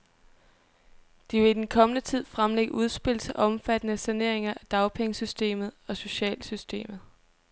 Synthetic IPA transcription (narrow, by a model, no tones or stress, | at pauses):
d̥iʋe̝id̥enkʰɒ̽mənət͡sʰið̞̰ˠfʁamleɡ̥əuð̞ˠsb̥e̝l̰sʰʔɒ̽mfæd̥ənəsæne̝ɐ̰e̝ŋɐʔæd̥ɑ̈ʊpʰeŋəsysd̥e̝̰ːmð̩ˠɒ̽so̝ɕɛ̰ːlsysd̥e̝̰ːmð̩ˠ